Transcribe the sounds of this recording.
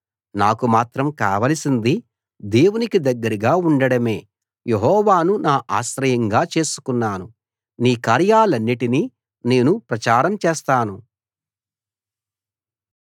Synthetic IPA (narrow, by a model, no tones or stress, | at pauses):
naːkumaːt̪ɾɐmkaːʋɐlɐsind̪i | d̪eːwunikid̪ɐɡːɐɾiɡaːuɳɖɐɽɐme̞ː | jeɦɔːʋaːnunaːʔa̰ːʃɾɐjɐŋɡaːt͡ʃe̞ːsu̥kunːaːnu | niːkaːɾjaːlɐnːiʈini | ne̞ːnupɾɐt͡ʃaːɾɐmt͡ʃeːst̪aːnu